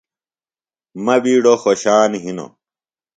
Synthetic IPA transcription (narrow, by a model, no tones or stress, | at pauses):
mɐbiːɽoxoɕaːnɦino̰